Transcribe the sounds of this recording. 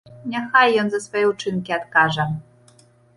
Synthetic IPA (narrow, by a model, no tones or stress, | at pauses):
nʲɛxajːɔnzɐsfɔjɛut͡ʂɨnkʲiat̪kaʐɛ